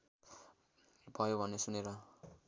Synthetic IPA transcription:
bʱʌjobʱʌnːesuneɾʌ

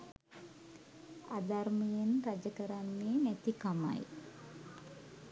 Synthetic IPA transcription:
ad̪armijenrad͡ʒəkəɾanːeːnæt̪ikama̰j

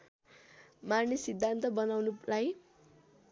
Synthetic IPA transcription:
marnesid̪ʱːant̪ʌbʌnawnulaj

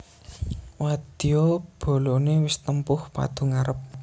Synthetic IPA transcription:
wad̪̥iob̥o̤lonewɪst̪əmpʊhpa̰d̪̥ṳŋaɾəp̚

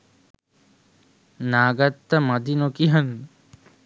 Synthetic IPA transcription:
naːɡat̪ːəmad̪inokiɦan

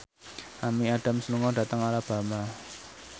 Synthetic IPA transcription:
ʔamiaɖ̥a̤msəluŋɔd̥ä̤t̪əŋaɾab̥a̤ma

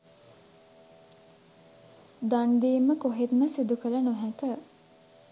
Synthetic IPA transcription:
d̪anɖ̪iːməkoɦet̪məsid̪ukələnoɦækə

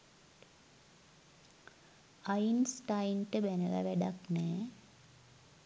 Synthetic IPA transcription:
ajinsʈajnʈəbænəʋa̰ʋæɖaknɛː

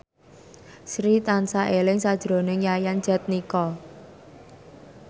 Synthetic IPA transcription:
sɾit̪ansaʔelɪŋsad̥ʒ̥ɾo̤nɪŋjajan̥d͡ʒ̥a̤t̪̚nikɔ

